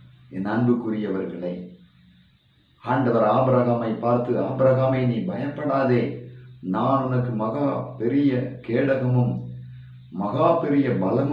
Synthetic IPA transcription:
ɛnɐɳbɯkʊɾɪjɐʋɐɾɣɐɭɐɪ | aːɳɖɐʋɐɾaːbɾɐɣaːmɐɪpːaːɾt̪ɯaːbɾɐɣaːmɐɪniːbɐjɐmpːɐɽaːðeːnaːnʊnɐkːɯmɐɣaːpɛɾɪjɐkeːɽɐɣɐmɯmː | ɐɣaːpːɛɾɪjɐbɐlɐm

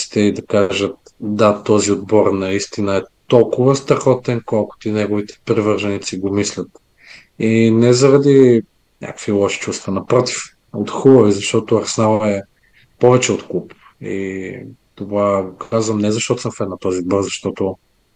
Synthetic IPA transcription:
si̥t̪ɛid̪ɐkaʒət̪̚ | d̪at̪ɔziod̪bɔɾnɐist̪inəɛt̪ɔlˠkʊvɐst̪ɾɐxɔt̪ɛnkɔlˠkʊ̥t̪inɛɡovit̪ɛ̥pɾivəɾʒɐnit̪siɡomislʲət̪ | inɛzɐɾɐd̪i | nʲa̰kəkvilˠɔʃi̥t͡ʃust̪vənɐpɾɔt̪i̥f | ot̪xubəvizɐʃt̪ɔt̪oɐɾsnavɛ | pɔvɛt͡ʃɛot̪kup | ḭ | t̪ovaɡokʰazvɐmnɛzɐʃt̪ɔt̪ʊ̥səmfɛd̪nɐt̪ɔziod̪̚bɔɾzɐʃt̪ɔt̪o

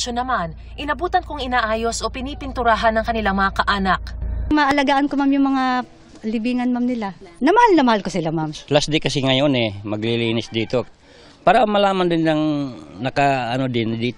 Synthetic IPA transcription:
ʃonɐman | ʔɪnɐbuːt̪ɐnkoŋɪnaːʔaːjo̞sʔo̞pɪnipɪnt̪ʊɾaːɦɐnːɐŋkɐnɪlaŋmɐŋakɐʔaːnɐkmɐʔɐlɐɡaːʔɐnkomamjʊŋmɐŋa | lɪbiːŋɐnmamnɪlanɐmɐhalnɐmɐhalkosɪlamamlasd̪ejkɐsɛŋɐjonɛmɐɡlɪliːnɪsd̪iːt̪o̞ | paːɾɐʔmɐlaːmɐnd̪ɪnlɐŋnɐkaɐnod̪ɪnd̪iːt̪

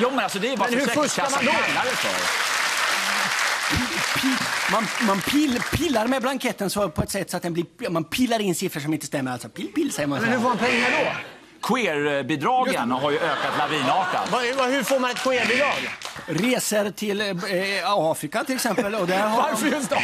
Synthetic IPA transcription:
juːmɛnalsɔd̪ɛjbɑhfʊaad̪ɔɛlːaɾəfɔ̰ɾ | pʰːmanmanpʰɪpʰɪlːaɾmɛblaŋkʰɛt̪ːənsɔpʰɔɛt̪sɛt̪ːsɔat̪̚d̪ɛnblɪmanpʰɪlːaɾɪnsɪfɾəʂɔmɪnt̪əst̪ɛmːəɾalsɔpɪlpɪlːsɛjəmanmɛnhɵfoːmanpʰɛŋːaɖɔ | kʰʊeːɾbɪd̪ɾɑːɡjənɦaɾjɵøːkat̪laviːnɑːʈa̰vahɵfoːɾmanɛt̪̚kʰʊeːɾbɪd̪ɾɑːɡɾeːsəɾt̪ʰɪl | ɑːfɾɪkat̪ʰɪlɛksɛmpəlɔd̪æɾɦvaɾfjɵ

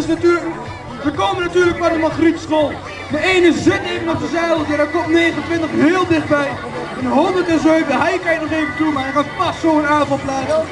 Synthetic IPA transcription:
ɪsnatyː | ʋəkowmənatyːɹlək̚madəmɑχritsχoːlˠ | dəejnəzɪtejvənɔp̚dəzɛjədədakɔmtneːχənəntʋɪntəχɦɪːlˠdɪχd̚bɛj | ɛnəɦondəɹtɛnzøɥvəɦɛjkɑjətnɔχejvəntumaaχaːnpɑssoənaːvɑlˠplaːt

